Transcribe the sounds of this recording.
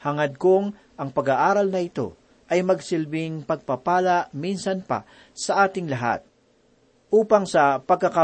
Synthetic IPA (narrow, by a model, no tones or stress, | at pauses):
hɐŋɐd̪̚koŋ | ʔɐŋpɐɡaʔaːɾɐlnɐɪt̪o̞̰ | ʔɐjmɐɡsɪlbɪŋpɐɡ̚papaːlɐʔminsɐnpɐ̰ | sɐʔaːt̪ɪŋlɐɦa̰t̪̚ | ʔuːpɐŋsɐpɐɡ̚kːɐkɐ